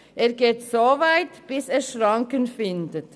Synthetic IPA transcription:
ʔeːɐɡeːtsoːvaɪtb̥ɪseːʃʁɑŋkənfɪndət

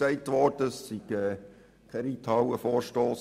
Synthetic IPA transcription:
sɛɪtʋɔrd̥əsːiɡ̥ɛː | kʰɛɾiːt̪ʰɑwəfoːɾʃtoːs

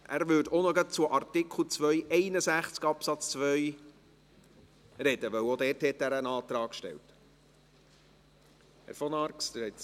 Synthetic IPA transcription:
ʔæ̰ɾʋʏdonɔɡət͡suʔɑrt̪ɪkʰl̩ˠt͡svœʏʔɛɪnəsæχt͡skɑpsɑt͡st͡sʋœj | ɾɛd̥əʋœwodɛɾthɛtːæɾənɑːt̪ɾɑːkʃtɛ̰lt | hæ̰ɾfɔnɑɾksd̥ɪhɛt

